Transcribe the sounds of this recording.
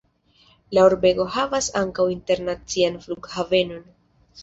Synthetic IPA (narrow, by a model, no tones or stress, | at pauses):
laoɾbe̞ɡo̞havasaŋkawinte̞ɾnat͡sianfluɡhave̞no̞n